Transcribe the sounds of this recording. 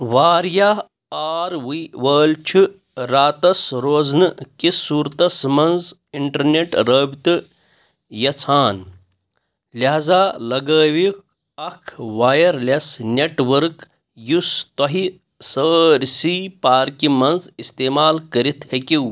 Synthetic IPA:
ʋaːɾja | aːɾʋiʋəːlt͡ʃʰu | ɾaːt̪ɐsɾoːznɨkisuːɾt̪ɐsmɐnz | iɳʈɐɾneʈɾəːbt̪ɨ | jɐt͡sʰaːn | lʲɐɦzaːlɐɡəːʋik̚ | ɐkʰʋaːjɐɾlʲɐsnʲeʈʋɐɾk | just̪ɐɦi | səːɾʲsipaːɾkimɐnzist̪eːmaːlkɐɾit̪ʰhekiw

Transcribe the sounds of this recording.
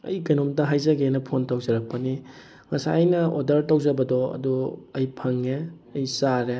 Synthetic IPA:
ɐ̰jkɐjnomdɐɦajzɐɡenɐpʰontɐwzɐɾɐk̚pɐni | ŋɐsa̰jnɐodɐɾtɐwzɐbɐdɔɐ̰duɐjpʰɐŋe | ɐjsaɾe

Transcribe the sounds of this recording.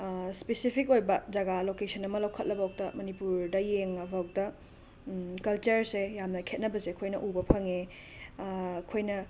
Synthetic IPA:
spesipʰikojbɐd͡ʒɐɡalokesʰɐnɐmɐlɐwkʰɐt̚lɐbɐok̚tɐmɐnipuɾdɐjeŋɐbɐɔk̚tɐ | kɐlt͡ʃɐɾsejamnɐkʰet̚nɐbɐsekʰojnɐʔubɐpʰɐŋe | kʰojnɐ

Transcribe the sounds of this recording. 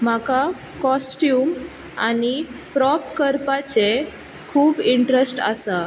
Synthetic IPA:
m̤aka | kɔsʈjuːm | anipɾɔpkəɾpat͡se | kʰuːbiɳʈɾəsʈa̰sa

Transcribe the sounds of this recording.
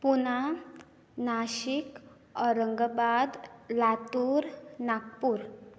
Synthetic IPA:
puna | naɕik | ɔɾəŋɡəbad̪lat̪uɾnak̚puːɾ

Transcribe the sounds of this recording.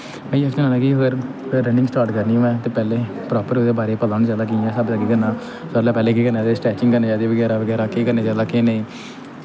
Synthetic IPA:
mɛ̃iəsnẽnaːnãːkiəɡəɾɾəɳɖɪ̃ŋsʈaːɾʈkəɾnĩːmɛ̃ːt̪eːpɛːleːpɾɔːpəɾʊd̪eːbaːɾeːpəlaːnid͡ʒaːd̪aːk̬iɛ̃ːsəbd̪aːkiːkəɾnãː | soəlaːpɛːleːkiːkəɾnaːd̪esʈɛːt͡ʃɪ̃ŋɡkəɾneːd͡ʒaːd̪eːʋəɡɛːɾaːʋəɡɛːɾaːkiːkəɾneːzjaːd̪aːkeneĩː

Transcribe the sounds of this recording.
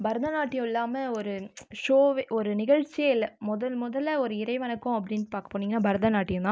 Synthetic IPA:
bɐɾɐðɐnaːʈːɪjʊ̃ɪlːaːmɐɔɾɯʂoːʋeʔɔɾɯnɪɣɐɻt͡ʃːɪeɪlɐmʊðɐlmʊðɐlɐɔɾɯɪɾɐɪʋɐnɐkːʊ̃ɐp̬ːɐɽɪnːpaːɾkɐ̥pːoːniːŋɡɐnːaːbɐɾɐðɐnaːʈːɪjʊ̃t̪ãː

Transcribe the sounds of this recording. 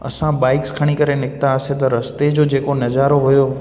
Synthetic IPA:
ə̰sãbaɪkskʰaɽ̃ikəɾenɪk̚t̪aəset̪ɔɾəst̪ed͡ʒod͡ʒekonəd͡ʒaɾoɦojo

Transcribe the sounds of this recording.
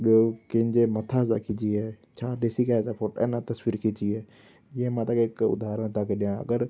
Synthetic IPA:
ɓokɪ̃ɲd͡ʒeːmət̪ʰaːzaːkʰid͡ʒiːɦɛː | t͡ʃʰaːɖeːsiːkazaːpʰoːʈɛ̰nãːt̪əswiːɾkʰit͡ʃiːɦɛː | ɪẽːmãt̪akɪkʊ̰d̪aːɾəɽ̃t̪aːkeːɗɪjãːə̰ɡəɾ

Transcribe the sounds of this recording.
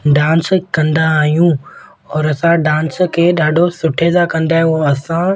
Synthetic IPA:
ɖãːnskɐ̃nd̪aːɦijũ | ɔːɾɐsãɖãːnskʰeːɗaːɖʱosʊʈʰed̪akɐ̃nd̪aːɦeoɐsã

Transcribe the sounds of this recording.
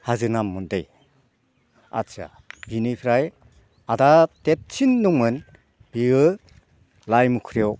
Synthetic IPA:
hazɯnamːɔndej | a̰tt͡ʃa̰ | binipʰɾaj | adatet̚t͡ʃʰinːuŋmɯn | b̥iɡɯ | lajmukʰɾijɔw

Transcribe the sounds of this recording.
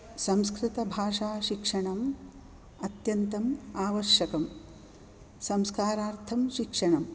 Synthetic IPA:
sɐ̃mskɾɪt̪ɐbʱaːʂaːʃikʂɐɳɐm | ɐt̪jɐnt̪ɐmaːʋɐɾʃjɐkɐm | sɐmskaːɾaːɾt̪ʰɐmʃikʂɐɳɐm

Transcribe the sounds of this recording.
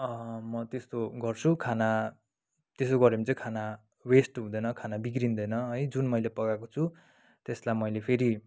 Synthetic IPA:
ʌmʌt̪est̪oɡʌrt͡sʰukʰana | t̪est̪oɡʌɾimt͡sʌikʰana | wesʈɦũd̪ʌjnʌkʰanabiɡrind̪ʌjnʌɦʌjd͡zunmʌjlepʌɡakot͡sʰu | t̪eslajmʌjlepʰeɾi

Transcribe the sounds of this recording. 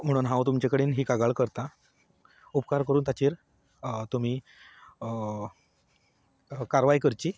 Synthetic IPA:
m̤əɽuːnɦãwt̪umt͡ɕekəɽiːnɦiːkaɡaɭkəɾt̪a | upkaɾkəɾuːnt̪at͡ɕiːɾ | t̪um̤iː | kaɾʋajkəɾt͡ɕiː

